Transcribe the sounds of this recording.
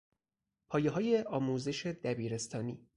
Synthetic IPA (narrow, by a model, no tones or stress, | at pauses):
pʰɒːjeɦɒːjeʔɒːmuːze̞ʃe̞d̪æbiːɾe̞st̪ʰɒːniː